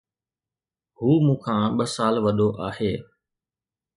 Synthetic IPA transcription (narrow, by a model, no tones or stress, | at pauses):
ɦuːmũːkʰãːɓəsaːlʋəɗʱoʔaːheː